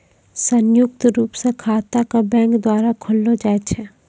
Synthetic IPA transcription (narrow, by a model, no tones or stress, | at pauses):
sənjʊk̚t̪ɾuːpsekʰaːt̪akabɛ̃ːŋkd̪waːɾakʰʊlːod͡ʒaːet͡ʃʰe